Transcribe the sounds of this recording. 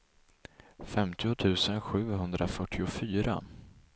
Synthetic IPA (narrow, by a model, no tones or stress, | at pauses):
fɛmt̪ʰɪʊt̪ʰʉ̟ːsənɧʉ̟ːɦɵnd̪ɾʔafœʈʰːɪʊfyːɾa̰